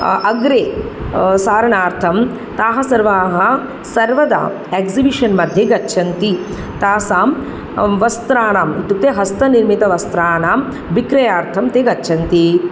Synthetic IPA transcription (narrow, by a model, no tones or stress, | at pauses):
ɐɡɾeː | saːɾɐɳaːɾt̪ʰɐm | t̪aːɦɐ̆sɐɾʋaːɦɐ | sɐɾʋɐd̪a̰ː | ekzibiʂɐnmɐd̪ʱjɐɡɐtːʃʰɐnt̪i | t̪aːsaːm | ʋɐst̪ɾaːnaːmit̪ut̪eɦɐst̪ɐniɾmit̪ɐʋɐst̪ɾaːnaːm | ʋikɾɐjaːɾt̪ʰɐmt̪eɡɐtːt͡ʃʰɐnt̪i